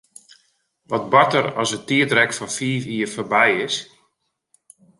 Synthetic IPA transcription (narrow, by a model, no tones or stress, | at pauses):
ʋɔt̚bɔtəɾɔsətiətrɛkfɔnfiːfiːrfərbɛjɪs